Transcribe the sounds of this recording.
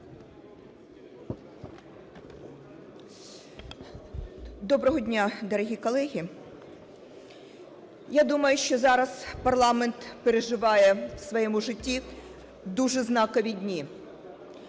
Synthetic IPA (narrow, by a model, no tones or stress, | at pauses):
d̪ɔbɾɔɦɔdʲnʲad̪ɔɾɐɦʲikɔlˠɛɦʲi | jad̪umɐjʊʃt͡ʃɔzɑɾɐspɐrlˠɑment̪peɾeʒɪʋɑjɛwsʋɔjɛmuʒɪtʲːi | d̪uʒɛznɑkɔʋʲidʲnʲi